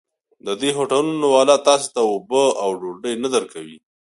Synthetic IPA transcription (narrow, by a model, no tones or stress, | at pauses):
d̪əd̪eɦoʈalunowɑlat̪ɑse̥t̪aobəawɖoɖəjnad̪əɾkawi